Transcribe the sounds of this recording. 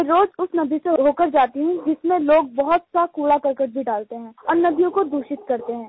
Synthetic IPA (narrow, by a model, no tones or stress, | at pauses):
ɾoːd͡ʒʊsnɐb̪ʱiseɦoːkəɾd͡ʒaːt̪iɦɛ̃d͡ʒɪsmẽloːɡ̚bɐɦʊt̪sakuːɽakɐɾkəʈbʱiɖaːlt̪eɦɛ̃ːɔːɾnɐd̪ijõkod̪uːʃɪt̪kɐɾt̪eɦɛ̃ː